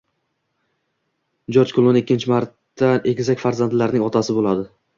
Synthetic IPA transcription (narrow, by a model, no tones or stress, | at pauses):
d͡ʒoɾt͡ʃkʰʊlˠonekʲʰːɪnt͡ʃʰɪmaɾt̪ːane̞kʲzakʲfaɾzand̪laɾnɪŋɒt̪ʰasɪbolˠad̪ɪ